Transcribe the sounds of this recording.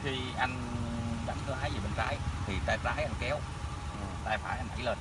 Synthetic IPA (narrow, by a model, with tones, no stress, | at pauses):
xi˧ʔa˧jŋɗa˨˦nkɨ˨˧˦haː˨˦jə˨˩ɓe˧nzaː˨˦jt̪ʰi˨˩t̪aː˧zaː˨˦jʔa˧nkɛ˨˦w | ʔə˨˩t̪aː˧jfa̰ː˧˩jʔa˧nʔa̰˧˩˦jləː˧n